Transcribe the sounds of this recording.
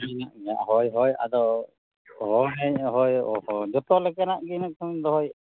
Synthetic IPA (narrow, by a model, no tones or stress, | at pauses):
inaʔmɛjaʔɦɔjɦɔja̰d̪ɔ | ɦɔnɛjɦɔjɔhɔd͡ʒɔt̪ɔlɛkanaʔɡinak̚sʰɔŋnd̪ɔɦɔj